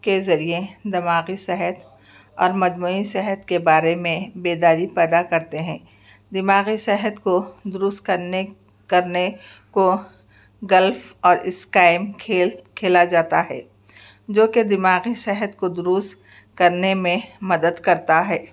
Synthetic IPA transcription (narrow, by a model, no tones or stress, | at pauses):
kezɐɾied̪ɪmaːɣisɛɦət̪ | ɔːɾmɐd͡ʒmuːisɛɦət̪kebaːɾemẽbeːd̪aːɾipɛːd̪akɐɾt̪eɦɛ̃ː | d̪ɪmaːɣisɛɦət̪kod̪ʊɾʊst̪kɐne | kɐɾne | ko | ɡɐlfɔːɾɪskaːɪmkʰekʰeːlad͡ʒaːt̪aɦɛ̰ː | d͡ʒoːked̪ɪmaːɣisɛɦət̪kod̪ʊɾʊst̪ | kɐɾnemẽmɐd̪əd̪kɐɾt̪aɦɛː